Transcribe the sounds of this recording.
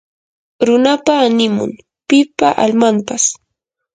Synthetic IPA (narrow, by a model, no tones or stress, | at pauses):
ɾʊnapaːnɪmʊ̰ŋ | pɪpaʔalmampas